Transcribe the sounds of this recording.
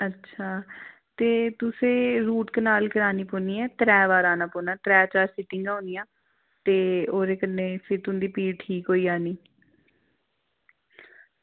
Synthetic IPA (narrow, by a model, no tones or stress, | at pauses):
ətːʃʰaː | t̪eːt̪ʊsẽːɾuːʈkənaːlkəɾaːniːpoːniːɛːt̪ɾɛːʋaːɾaːnãːpoːnaːt̪ɾɛːt͡ʃaːɾsɪʈɪŋɡaːõːnɪjãː | t̪eːoːɾeːkənːeːpʰɪɾt̪ʊnd̪iːpiːʈʰiːkɦoːiːaːniː